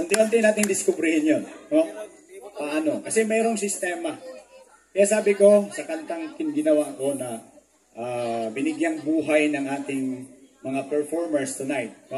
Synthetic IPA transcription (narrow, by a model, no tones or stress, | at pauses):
ʔɐŋt̪ɪʔont̪ɪnaːt̪ɪŋd̪ɪskʊbɾɪhɪnjono | pɐʔano̞kɐsɛmɛːɾo̞ŋsɪst̪ɛːmɐ | kɐjaːsaːbɪko̞sɐkɐnt̪aŋkɪnɡɪnɐwaʔko̞nɐ | ʔabɪnɪɡjɐŋbuːɦajnɐŋʔaːt̪ɪŋmɐŋapɛɹfoɹmɛɹst̪ʊnajt̪̚